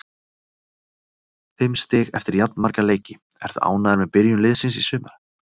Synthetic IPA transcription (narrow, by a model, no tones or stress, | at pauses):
fɪmst̪ɪːɣɛft̪ɪɾjat̪nmaɾkaleːjcɪ | ɛ̰ɾ̥θa̰ːwnaðɪɾmɛðpɪɾjʏmlɪðsɪnsisʏːmaɾ̥